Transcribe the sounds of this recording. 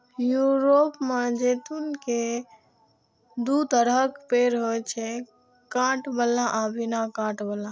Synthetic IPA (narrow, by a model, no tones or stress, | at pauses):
juɾopmed͡ʒet̪unke | d̪ut̪əɾəkpeɾɦojt͡ʃʰɛ | kãʈbəlaʔabʱinakãʈbəla